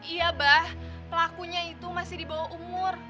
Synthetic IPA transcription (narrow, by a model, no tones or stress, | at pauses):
ijabah | pəlakuɲait̪umasɪhdibawahumʊr